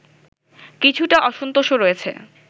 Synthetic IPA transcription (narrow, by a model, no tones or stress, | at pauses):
kit͡ɕʰuʈaʔɔʃont̪oʃoɾoet͡ɕʰḛ